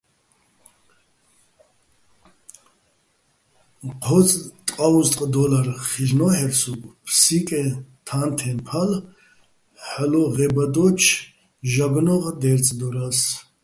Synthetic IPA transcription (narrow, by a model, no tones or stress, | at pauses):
qʰɔt͡sʼt̪ʼqʼaust̪ʼqʼd̪ɔlarχiʒnɔhɛɾsukʼpʰsikʼɛt̪ʰant̪ʰɛnpʰal | ħlɔʁɛbad̪ɔt͡ʃʰ | ʒaɡnɔʁd̪ɛɾt͡sʼd̪ɔɾas